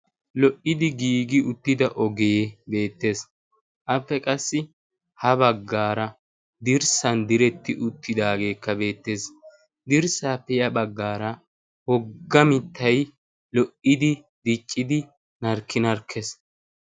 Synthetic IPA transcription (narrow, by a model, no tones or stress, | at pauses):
lɔʔɪd̪ɪɡiːɡɪʊt̪ːɪd̪ɐʔɔɡebe̞ːt̪ːe̞ːs | ʔɐpːɛkʼɐsːɪ | hɐbɐɡːaːɾɐ | d̪ɪɾsɐnd̪ɪɾɛt̪ːɪʔʊt̪ːɪd̪aːɡe̞ːkːɐbe̞ːt̪ːe̞ːs | d̪ɪɾsaːpːɛjɐbɐɡːaːɾɐ | hɔɡːɐmɪt̪ʰːɐj | lɔʔɪd̪ɪ | d̪ɪt͡ʃʼːɪd̪ɪ | nɐɾkːɪnɐɾkʰːɛs